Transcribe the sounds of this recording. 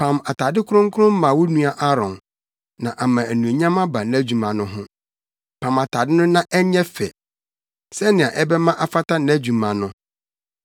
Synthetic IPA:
pʰã˨ma˨tʰa˨dɪ˦kʰʊ˦ʊ̃˦ŋ̩˦kʰʊ˦ʊ̃˦m̩˦mã˨wɔ˦nũ˦a˦ʔa˦ɾɔ̃˨n | nã˨ʔa˨mã˨æ˨nũ˨e˨ɲã˦ma˦ba˨nɪ̃˦æ˦d͡ʑu˨mã˨nʊ̃˦ɦʊ̃˦ | pʰã˨ma˨tʰa˨dɪ˦nʊ̃˦nã˦ʔɛ˦ɲɛ˦fɛ̰˨ | sɛ˦nɪ̃˨ã˨ʔɛ˦bɛ˦mã˦ʔa˨fa˦tʰa˦nɪ̃˨˦æ˦d͡ʑu˨mã˨nʊ̃˦

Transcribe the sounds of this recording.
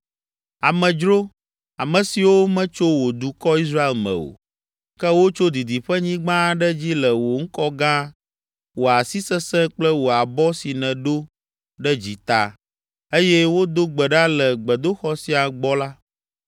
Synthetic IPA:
a˨mɛ̃˨d͡ʒɾo˦ | a˨mə̃˨si˨wo˦mɛ̃˦t͡ʃo˦wo˨d̪u˨kɔ˦i˦s̬ɾa˦e˨lmɛ̰̃˨o̰˨ | kɛ˦wo˦t͡ʃo˦d̪i˨d̪i˨ɸɛ˦ɲĩ˦ɡ͡bã˦ɖɛ˦d͡ʑi˦lɛ˨wo˨ŋ̩˦kɔ˦ɡã˦ | wo˨a˨si˦sɛ˦sɛ̃˦k͡plɛ˦wo˨a˨bɔ˦si˨nɛ̃˨ɖo˦ | ɖɛ˦d͡ʑi˨t̪a̰˨ | e˦jɛ˦wo˦d̪o˦ɡ͡bɛ˨ɖa˦lɛ˨ɡ͡bɛ˨d̪o˦xɔ˦si˦a˨ɡ͡bɔ˦la˦

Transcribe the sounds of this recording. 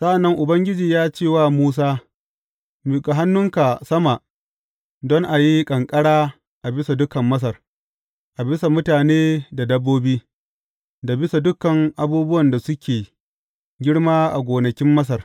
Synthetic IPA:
sɐ˦ʔa˨nːɐ˦ŋʔʊ˨bɐ˦ŋɡʲɪ˦d͡ʒiː˨jaː˦t͡ʃeː˦˨waː˦muː˦s̬aː˦ | m˨ka˨ɦa˦nːʊ˦ŋka˨sɐ˦ma˨ | dɔ˦ŋʔa˨ji˦kʼɐ˨ŋkʼɐ˦ɽaː˦ | ʔa˨bɪ˦sa˨dʊ˦kɐ˨mːɐ˦s̬ɐ˨r | ʔa˨bɪ˦sa˨mʊ˦taː˨neː˦da˨dɐ˦bːoː˦biː˦ | da˨bɪ˦sa˨dʊ˦kɐ˨ŋʔa˨buː˦bʊ˦wɐ˨nda˨sʊ˦kʲʰeː˨ | ɡʲɪ˦ɽmaː˦ʔa̰˨ɡʷoː˨nɐ˨kʲɪ˦mːɐ˦s̬ɐ˨r

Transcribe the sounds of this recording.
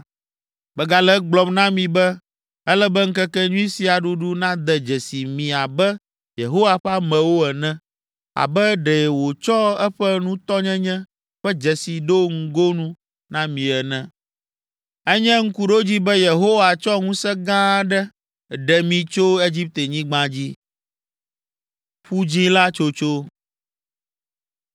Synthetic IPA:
bɛ˨ɡa˨lɛ˦ɡ͡blɔ˨mnã˦mĩ˨bɛ˦ | ɛ˦lɛ˦bɛ˦ŋ̩˦kɛ˦kɛ˦ɲũ˦i˦si˨a˨ɖu˦ɖu˦nã˦d̪ɛ˨d͡ʒɛ˨si˨mĩ˨a˨bɛ˦ | je˨ɦo˦wa˨ɸa˦mɛ̃˨wo˦ɛ˨nɛ̃˦ | a̰˨bɛ˦ɖɛ˨wo˨t͡ʃɔ˦ɛ˦ɸɛ˦nũ˦t̪ɔ˦ɲɛ̃˦ɲɛ̃˦ | ɸɛ˦d͡ʒɛ˨si˨ɖo˦ŋ̩˦ɡo˦nũ˦ | nã˦mĩ˨ɛ˨nɛ̃˦ | ɛ˦ɲɛ̃˦ŋ̩˦ku˦ɖo˦d͡ʑi˦bɛ˦je˨ɦo˦wa˨t͡ʃɔ˦ŋũ˦sɛ˦ɡã˦ɖɛ˦˨ | ɖɛ˨mĩ˨t͡ʃo˦e˦d͡ʑi˦p̚t̪e˨ɲĩ˦ɡ͡bã˦d͡ʑi˦ | ɸu˦d͡ʑi˦la˦t͡ʃo˦t͡ʃo˦

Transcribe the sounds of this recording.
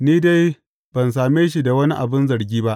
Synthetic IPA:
niː˦da˦j | b̥ɐ˨ns̬aː˨meː˦ʃi˦da˨wɐ˦ni˦ʔa̰˨bɪ˦nzɐ˨ɾɡʲiː˦ba˦ʔ

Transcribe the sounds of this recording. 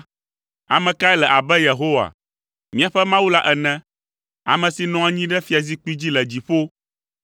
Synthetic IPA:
a̰˨mɛ̃˨ka˦ɛ˦lɛ˨ʔa˨bɛ˦je˨ɦo˦wa̰˨ | mĩ˦ã˨ɸɛ˦mã˦wu˦la˦ʔɛ˨nɛ̃˦ | a̰˨mɛ̃˨si˨nɔ̃˦a˨ɲĩ˦ɖɛ˦fi˦a˨zi˦k͡pi˦d͡ʑi˦lɛ˨d͡ʑi˨ɸo˦

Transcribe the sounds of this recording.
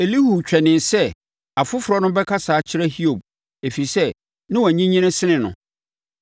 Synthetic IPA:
e˨li˦hu˨t͡ɕᶣɛ˨nɪ̃˨nsɛ˦ | a˨fʊ˦fʊ˨ɾɔ˦nʊ̃˦bɛ˦kʰa˦saː˨˦t͡ɕʰɪ˦ɾɛ˦hi˦o˨b̚ | e˨fi˨sɛ˦ | nɪ̃˦wæ˨ɲĩ˦ɲĩ˦nã˦sɪ˦nɪ̃˨nʊ̰̃˨

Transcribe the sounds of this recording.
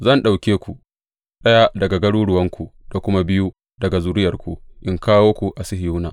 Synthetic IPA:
zɐ˦˨nɗa˨wkʲeː˦kʷu˨ | ɗɐ˦ja˦dɐ˨ɡa˨ɡɐ˦ɽuː˦ɽʊ˨wɐ˦ŋkʷu˨d̥a˨kʷʊ˦ma˦bɪ˦ju˦ | dɐ˨ɡa˨zuː˦ɾɪ˦jɐ˨rkʷu˨ʔɪ˦ŋkaː˦woː˦kʷu˨ʔa˨sɪ˦ɦɪ˨ju˦na̰ː˨

